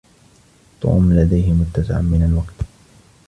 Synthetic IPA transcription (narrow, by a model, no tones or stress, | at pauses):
t̪ɑ̰ʔʊ̰mːlad̪ajɦɪmʊt̪ːasɪ̰ʕa̰mɪnalwaqt̪